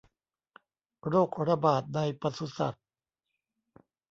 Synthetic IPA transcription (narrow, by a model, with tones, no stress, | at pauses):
ɾoː˥˩k̚ɾa˧baː˨˩t̪̚na˧jpa˧su˦sa̰˨˩t̪̚